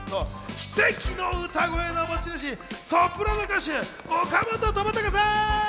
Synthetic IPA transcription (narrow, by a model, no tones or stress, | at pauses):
nokʲi̥se̞kʲinoɯ̟t̪aɡoenomot͡ɕiɾaɕ̬isopɯ̟ɾanokaɕi | okamot̪ot̪omat̪ːakasa